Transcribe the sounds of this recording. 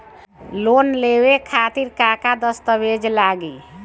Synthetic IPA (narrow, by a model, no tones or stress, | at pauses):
lonlewekʰat̪iɾkakad̪əst̪əʋed͡ʒlaɡi